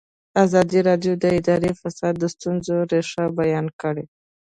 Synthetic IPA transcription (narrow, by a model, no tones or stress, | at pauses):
azɑd̪iɾɑɖjod̪əɪd̪ɑɾefasɑd̪̚ːəst̪unzoɾeʂabajɑnkəɽe